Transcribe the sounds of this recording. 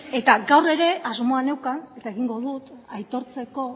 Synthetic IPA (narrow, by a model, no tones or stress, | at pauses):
e̞t̪aɡawre̞ɾe̞ʔazmo̞ane̞wkane̞t̪aeɣiŋɡo̞ðut̪ajt̪o̞ɾt͡se̞ko̞